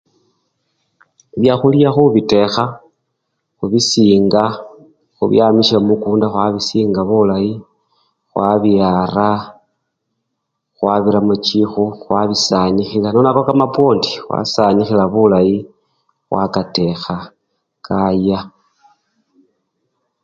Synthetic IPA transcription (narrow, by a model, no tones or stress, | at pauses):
βjaxulijaxuβite̞xa | xuβisiːŋɡa | xṵβj̰amiʃamukuːndaxwaβisiːŋɡaβulaji | xwaβiara | xwaβiɾamut͡ʃixuxwaβisaɲixilanonakokamapwo̞ːndi̥xwa̰saɲixilaβulaji | xwa̰kate̞xa | kʰaja